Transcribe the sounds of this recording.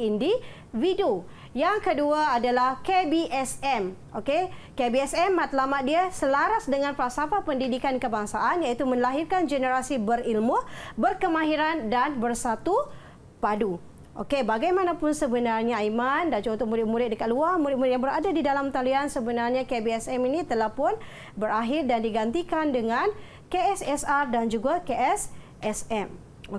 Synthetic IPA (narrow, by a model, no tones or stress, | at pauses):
indi | wido | jaŋkəduaːdalahkebiʔɛsɛmʔokekebiɛsɛmːat̪lamat̪̚diasəlaɾasdəŋanpɾasapapəndidikankəbaŋsaʔanjãit̪umə̃nlaɦirkand͡ʒənəɾasibəɾilmʊbərkəmãɦiɾandanbərsat̪u | padu | ʔo̰kebaɡajmãnapʊnsəbənarɲaimandad͡ʒuunt̪ʊk̚muɾɪt̪̚muɾɪt̪̚dəkat̪̚luamuɾɪt̪̚muɾɪt̪̚jãŋbəɾadadidalamt̪aliansəbənarɲakebeɛsɛminĩt̪əlahpʊn | bəɾaɦɪrdandiɡant̪ikandəŋan | keɛsɛsardand͡ʒuɡakeʔɛs | ʔɛsɛm